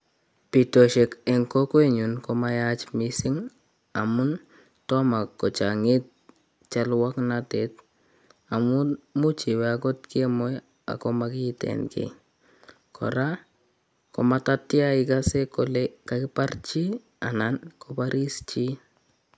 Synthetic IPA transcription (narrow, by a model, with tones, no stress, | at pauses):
pi˨to˨ʃe˨kɛ˨ŋko˦kwe˦˨ɲu˨nko˦ma˦ja˦t͡ʃmisi˦ŋ | a˨mu˦n | tɔ˦ma˨kːɔ˨t͡ʃa˨ŋe˦t̚ | t͡ʃa˦lwa˦knate˨t̚ | a˨mu˦mu˦t͡ʃi˨we˨ako˦tki˦e˦mɔ˦j | a̰˨ko˦makɪ˦tɛ̰˨nkḛ˨ | kʰɔ̰˨ɾa˦ | ko˨mata˦ti˦a˦ɪ˦ka˦se˦ko˦leka˨kɪ˦pa˦rt͡ʃi˦ | a̰˨na˨nko˦paɾʔi˦st͡ʃi˦